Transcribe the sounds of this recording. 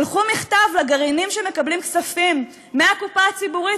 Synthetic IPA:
lχumiχt̪avlaɡaʁinimʃe̞me̞kablimksafimː | eakupaat͡sibuʁi

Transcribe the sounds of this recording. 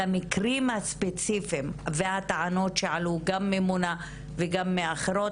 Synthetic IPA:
amikʁimhaspet͡sifimvehat̪aʕano̞tʃeʕaluɡamːemuna | veɡamːeaχeɾo̞

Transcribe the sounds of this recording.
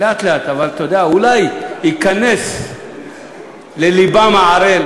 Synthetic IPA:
eat̪leat̪avalt̪ood̪eaulajhikane̞s | lelibamaʕaɾe

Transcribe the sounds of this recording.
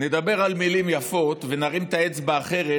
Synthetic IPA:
ne̞d̪abe̞ʁalmilimjafo̞t̪ve̞naʁimt̪aet͡sbeːχe̞ʁe

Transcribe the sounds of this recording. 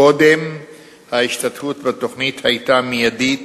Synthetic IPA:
o̞d̪e̞m | haiʃtatfutvato̞χnithajtamijadit

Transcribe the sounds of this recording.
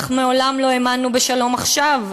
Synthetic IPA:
χmeo̞lamlo̞emanːube̞ʃalo̞maχʃav

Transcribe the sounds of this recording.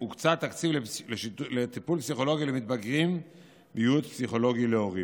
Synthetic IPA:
ukt͡sat̪ːakt͡sivleleʃilet̪ipulpsiχo̞lo̞ɡilemit̪baɡʁim | bejut̪psiχo̞lo̞ɡileo̞ʁi

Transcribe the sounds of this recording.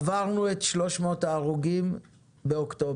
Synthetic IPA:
vaʁnuet̪ʃlo̞ʃmo̞taːʁuɡim | beokto

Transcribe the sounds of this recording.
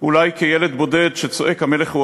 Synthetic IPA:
ulajkejeled̪bo̞ded̪ʃet͡so̞ʔekhameleχhu

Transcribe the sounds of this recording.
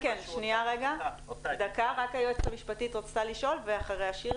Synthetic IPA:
kenʃniaʁeɡa | d̪akaʁakajoet͡sχemiʃpatitʁot͡st̪aliʃo̞lveaχaʁejaʃi

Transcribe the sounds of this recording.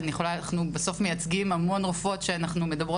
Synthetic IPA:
njeχo̞lanaχnubeso̞fme̞jat͡sɡimamo̞nʁofo̞tʃeanaχnume̞d̪abʁo

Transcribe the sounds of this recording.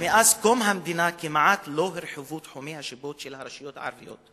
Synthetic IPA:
mɪʔaːskomɦamd̪inakimaʕaːt̪loɦɪɾħʊvuːt̪ħomihaʃɪboːt̪ʃelhaɾˤɑʃɪjoːt̪ʕɑ̰ɾˤɑvijo̰ːt̪

